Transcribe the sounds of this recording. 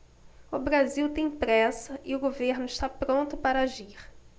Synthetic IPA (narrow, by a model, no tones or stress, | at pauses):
ʊbɾaziwt̪ẽj̃pɾɛsɐʔɪʊɡoveɾnʊɪʃt̪apɾõnt̪ʊpaɾɐaʒiɾ